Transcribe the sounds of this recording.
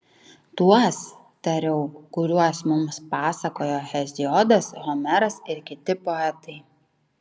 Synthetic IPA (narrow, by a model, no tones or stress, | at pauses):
t̪uɔs | t̪ɐɾʲɛʊkʊɾʲuɔsmʊmspɑːsɐkoːjohʲɛzʲɪɔd̪ɐsɣɔmʲɛɾɐsɪɾkʲɪt̪ʲɪpoɛt̪ɐɪ